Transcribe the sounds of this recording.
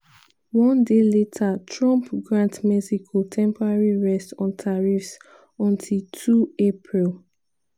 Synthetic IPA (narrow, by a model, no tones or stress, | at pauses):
wɔ̃ndeletʰatʰɹɔ̃mpɡɹãntmizikʰotʰɛ̃mpɔɹaɹiɹɛstɔ̃ntʰaɹifs | ɔ̃ntʰiltʰuepʰɹil